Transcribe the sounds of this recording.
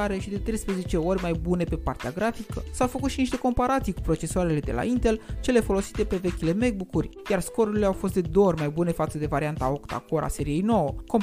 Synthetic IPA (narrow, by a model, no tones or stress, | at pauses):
aɾeʃid̪e̞t̪ɾe̞jspɾəze̞t͡ʃe̞o̞rʲmajbune̞pe̞part̪eaɡɾafikəsawfəkut̪ʃiniʃt̪e̞ko̞mpaɾat̪sijkupɾo̞t͡ʃe̞soaɾe̞le̞d̪e̞la̰int̪e̞lt͡ʃe̞le̞fo̞lo̞si̥t̪e̞pe̞ve̞kʲile̞mek̚bukurʲjarsko̞ɾuɾileawfost̪d̪e̞d̪orʲmajbune̞fat̪səd̪e̞vaɾiant̪ao̞kt̪a̰ko̞ɾʔa̰se̞ɾije̞jno̞wəko̞m